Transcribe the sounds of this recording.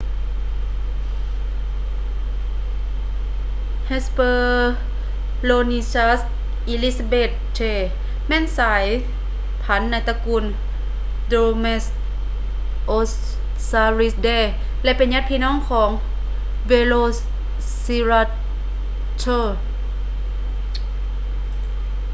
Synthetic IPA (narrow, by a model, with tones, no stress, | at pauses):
he˧˥spɤː˧ | loː˧ni˧sa˧˥s | ʔi˧˨li˧˥sa˧beː˧˩t̪̚ːʰeː˧˩ | mɛː˧˥˨nsaː˩˦j | pʰa˨˦nːa˧˨t̪a˧ku˧˨n | doː˧me˧s | ʔo˧s | saː˧ɾi˧˥sdɛː˧˩ | lɛ˧ʔpe˨nɲa˧˥t̪̚pʰiː˧˨nɔː˧˥˨ŋkʰɔː˩˦ŋ | be˧loː˧ | si˧ɾa˧ | t͡ɕʰoː˧˩